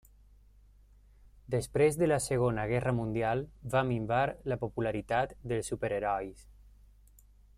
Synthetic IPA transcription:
d̪əspɾezðələsəɣonəɣɛrəmund̪ialˠβamimbaɾləpopulaɾit̪at̪d̪əlˠsːupeɾeɾɔjs

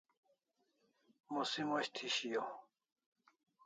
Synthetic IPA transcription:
mosimoɕt̪ʰiɕijo

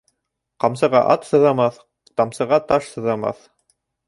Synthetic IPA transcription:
qɑmsɤ̆ʁɑ̰ʔɑt̪sɤ̆ðɑmɑθ | t̪ɑmsɤ̆ʁɑt̪ɑʃsɤ̆ðɑmɑ̰θ

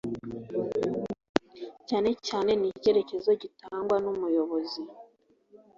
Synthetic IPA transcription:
caːne̞caːne̞nice̞ɾe̞ce̞zo̞ɟitaːŋɡwanumujo̞βo̞zi

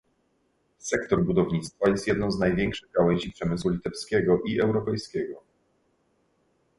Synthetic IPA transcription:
sɛkt̪ɔɾbud̪ɔvɲit̪st̪fajɛst̪jɛd̪nɔ̃w̃znajvʲjɛŋkʂɘɣɡawɛɲd͡ʑipʂɛmɘswulʲit̪ɛfskʲɛɡɔʔiɛwɾɔpɛjskʲɛɡɔ

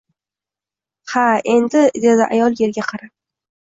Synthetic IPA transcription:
hae̞nd̪ɪd̪e̞d̪ɪʔa̰jɒlˠje̞ɾɡʲaqʰɑɾap̚

